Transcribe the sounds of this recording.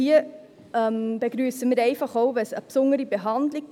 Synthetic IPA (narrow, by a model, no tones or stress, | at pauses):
iə | ɛmb̥eɡ̥ɾyːsəmiːɾɛɪfɑχoʊvɛsəpsʊnəɾibeɦɑndli